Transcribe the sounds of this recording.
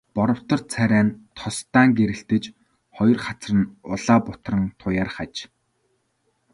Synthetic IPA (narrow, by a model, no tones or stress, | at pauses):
pɔɾɞ̆w̥t̪ɞ̆rt͡sʰæɾʲæːnt̪ʰɔst̪aːŋɡeɾɘ̆ɬt̪ɘ̆t͡ɕ | χɔjɞ̆rχat͡srə̆nʊɮaːpʊt̪rə̆nt̪ʰʊjaːrχat͡ɕ